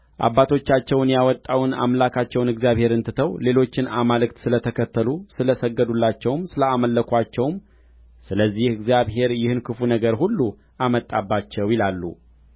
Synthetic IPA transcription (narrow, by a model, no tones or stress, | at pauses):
ʔa̰bːat̪ʰo̞t͡ʃːat͡ʃːɛwnjawɔt̪ʼːawna̰mlakʰat͡ʃːɛwnɨɡzijaβhe̞ɾɨnt̪ʰɨt̪ʰəwle̞lo̞t͡ʃːɪnamalɨkt̪sɨlət̪ʰəkʰət̪ːəlusɨləsəɡːəd̪ulːat͡ʃːɛwmsɨləaməlːəkʰʷat͡ʃːɛwm | sɨləzːihɨɡzijaβɦe̞ɾjɪhɨnkʰɨfunəɡəɾhulːu | ʔamət̪ʼːabːat͡ʃːɛwjɪlalːṵ